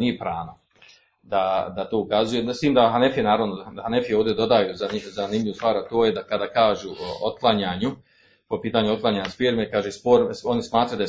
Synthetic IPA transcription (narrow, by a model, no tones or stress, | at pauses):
nijepɾaːno | d̪ad̪at̪o̞ːukazujest̪iːmd̪aɦanefijenaːɾaʋnohane̞fijeoːvd̪jed̪o̞d̪ajuːzaizanimʎʲiʋuːst̪ʋaːɾat̪oːjed̪akad̪aːkaːʒuot̪̚klˠaɲaːɲu | po̞piːt̪aːɲut̪̚klˠaɲaɲaspiɾmekaːʒespoɾo̞nismaːt̪ɾajud̪a